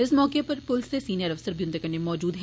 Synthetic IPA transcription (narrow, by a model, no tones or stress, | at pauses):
ɪsmɔːkepɐɾpʊlsesiːnijəɾɐfsəɾbjʊ̃nt̪əkɐnemɔːd͡ʒuːd̪ɦ